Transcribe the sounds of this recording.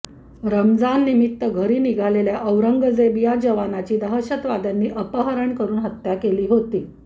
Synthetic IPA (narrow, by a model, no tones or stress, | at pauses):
ɾəmd͡zanːimit̪ːəɡʱəɾiːniɡʱaleljaʔəʋɾəŋɡəd͡zebijad͡ʑəʋanat͡ɕiːd̪əɦəɕət̪ʋad̪janːiːʔəpəɦəɾəɳkəɾuːnɦət̪jakeliːɦot̪iː